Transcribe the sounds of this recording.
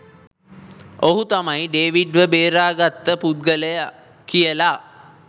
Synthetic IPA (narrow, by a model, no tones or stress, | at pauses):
oɦut̪amajɖeːʋiɖʋəbeːɾaːɡat̪ːəpud̪̚ɡələj | kijəla